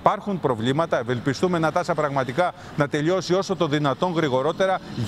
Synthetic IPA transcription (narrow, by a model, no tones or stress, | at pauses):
pɐɾxunpɾo̞vlimɐt̪ɐeve̞lpist̪ume̞nɐt̪ɐsɐpɾɐɣmɐt̪ikɐ | nɐt̪e̞ʎio̞sio̞so̞t̪oðinɐt̪o̞ŋɣɾiɣo̞ɾo̞t̪e̞ɾɐ